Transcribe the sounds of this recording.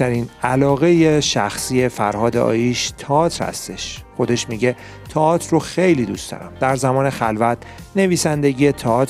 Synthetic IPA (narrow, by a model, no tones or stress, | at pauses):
æɾiːnælɒːɣe̞jeʃæxsiːje̞fæɾhɒːd̪eɒ̰ːjiʃt̪ʰeɒːt̪ʰɾhæ̰st̪e̞ʃxo̞d̪e̞ʃmiɟe | t̪ʰɒɒːt̪ʰɾroxe̞jliːd̪ust̪ɒ̰ɾæ̰md̪æɾzæmɒːne̞xælvæt̪ʰ | ne̞viːsænd̪e̞ɟiːjet̪ʰɒɒːt̪